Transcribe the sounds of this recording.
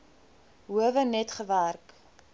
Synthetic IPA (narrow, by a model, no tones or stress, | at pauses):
ɦuəvənɛtχəværk